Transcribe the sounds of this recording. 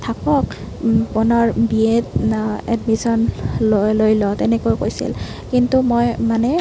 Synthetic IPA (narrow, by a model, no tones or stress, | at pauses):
tʰakɔk | pɔnɔɹbietɛ̰dmisɔnlolojlɔtɛnɛkojkojsḭl | kintumojmanɛ